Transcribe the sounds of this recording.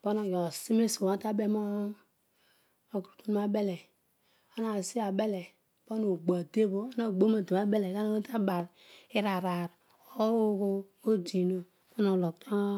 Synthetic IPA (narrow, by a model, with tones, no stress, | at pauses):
b̥o˦no˨jo˨si˦me˦so˨a˦ta˦be˦mo˦ | o˨kɾu˨tu˦n˦ma˦be˦le˨ | o˦na˦˨si˦a˨be˦le˨ | bo˦no˨ɡ͡ba˨de˦bo˦na˦˨ɡ͡bo˦ma˨do˨ma˦be˦le˨ka˦n˦ta˦ba˨ɾ | i˦ɾa˨ɾa˨ɾ | o˦ko˦ | o˦d͡ʒi˨no˦ | bo˦no˨lo˨ktʰo˦